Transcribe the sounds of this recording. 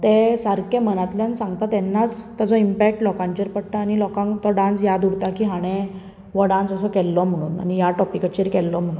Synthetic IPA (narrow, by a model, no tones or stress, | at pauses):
t̪esaɾkẽm̤ənat̪ljanisãŋɡt̪at̪ɛnːat͡st̪ad͡zɔimpɛk̚ʈlɔkãɲt͡ɕəɾpəɽt̪aːɽ̃ilɔkãŋkt̪ɔɖãnt͡sjad̪uɽt̪akiːɦaɽ̃ẽ | ʋəɽãnt͡səsɔkɛlːɔm̤əɽ̃uːna̰nijaʈɔpikət͡ɕəɾkɛlːɔm̤əɽun